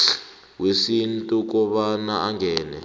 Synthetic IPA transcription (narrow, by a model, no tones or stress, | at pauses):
wesintʼuk̬ɔɓanaaŋɡʱɛːnɛ̰